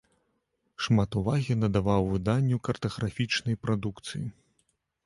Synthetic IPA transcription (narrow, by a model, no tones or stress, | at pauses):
ʂmat̪uvaɣʲinɐd̪avawvɨd̪anʲːukɐrt̪ɐɣɾafʲit͡ʂnɐjpɾad̪ukt̪sɨjḭ